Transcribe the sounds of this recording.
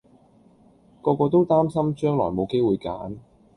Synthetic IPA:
kɔː˧kɔː˧t̪o˥wt̪aː˥msɐ˥mt͡ʃœː˥ŋlɔ̰ː˨˩jmo˨˧wke˥jwuː˨˧jka̰ː˨˥n

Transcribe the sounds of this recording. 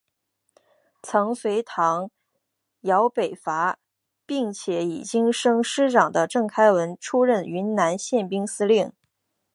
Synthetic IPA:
t͡sʰɤ˧˥ŋswe˧˥ɪt̪ʰɑ˧˥ŋ | jɑ˧˥ʊpe˨˩ɪfa˧˥ | pi˥˩ŋt͡ɕʰjɛ˨˩˥ḭ˨˩t͡ɕi˥ŋʂɤ˥ŋʂɻ̩˥ʈ͡ʂɑ˨˩ŋd̪ə˦ʈ͡ʂɤ˥˩ŋkʰa˥ɪwə˧˥nʈ͡ʂʰu˥ɻə˥˩ny˧˥nna˧˥nɕjɛ˥˩npi˥ŋsɹ̩˥li˥˩ŋ

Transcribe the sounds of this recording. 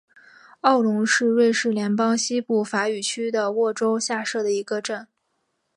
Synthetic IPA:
ɑ˥˩ʊlʊ˧˥ŋʂɻ̩˥˧we˥˧ɪʂɻ̩˥˩ljɛ˧˥npɑ˥ŋɕi˥pu˥˩fa˧˥y˨˩t͡ɕʰy˥d̪ə˨wɔ˥˩ʈ͡ʂo˥ʊɕja˥˧ʂɤ˥˩d̪ə˩i˧˥ɡə˧ʈ͡ʂə˥˩n

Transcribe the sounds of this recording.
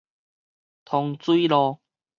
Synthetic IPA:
t̪ʰɔ˧ŋt͡sui˦i˦lɔ˧

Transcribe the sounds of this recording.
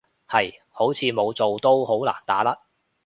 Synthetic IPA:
hɐ˨j | ho˨˥wt͡sʰiː˨˧mo˨˧wt͡so˨wt̪o˥who˨˥wla̰ː˨˩nt̪aː˨˥lɐ˥t̚

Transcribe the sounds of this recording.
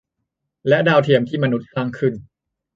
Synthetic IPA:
lɛ˦˥ʔdaː˧wt̪ʰi˧˩əmt̪ʰiː˥˩ma˧nu˦˥t̪̚kʰlaː˧˩ŋkʰɯ˧˩n

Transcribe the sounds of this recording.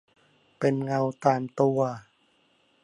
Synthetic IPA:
pe˧nŋa˧wt̪aː˧mt̪u˧ɐ

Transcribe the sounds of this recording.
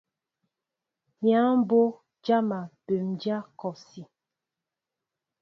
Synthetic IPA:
mja˦m˦bo˦ | d͡ʒa˦ma˨be˨md͡ʒa˦kɔ˨si˨

